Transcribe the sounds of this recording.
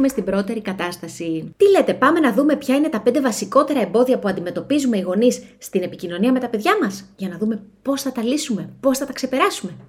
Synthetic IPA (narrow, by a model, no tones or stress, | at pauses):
ume̞st̪ibɾo̞t̪e̞ɾikɐt̪ɐst̪ɐsit̪ile̞t̪e̞pɐme̞nɐðume̞pçɐine̞t̪ɐpe̞nd̪e̞vɐsiko̞t̪e̞ɾɐe̞mbo̞ðiɐpuɐnd̪ime̞t̪o̞pizume̞iɣo̞nisːt̪ine̞picino̞niɐme̞t̪ɐpe̞ðʝɐmɐsʝɐnɐðume̞po̞sθɐt̪ɐlisume̞po̞sθɐt̪ɐkse̞pe̞ɾɐsume̞